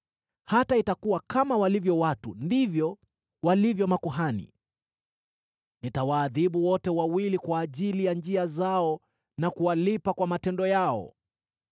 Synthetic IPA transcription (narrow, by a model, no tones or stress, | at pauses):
hataitakuwakamawalivjɔwatundivjɔ | walivjɔmakuɦanḭ | nitawaːðiɓuwɔtɛwawilikwaːʄilijand͡ʒiazaɔ | nakuwalipakwamatɛndɔjaɔ̰